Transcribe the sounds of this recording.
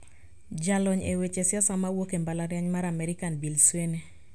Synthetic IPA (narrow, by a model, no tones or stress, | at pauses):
d͡ʒalɔɲewet͡ʃesjasamawokembalaɾjaɲmaɾamɛɾɪkanbilswene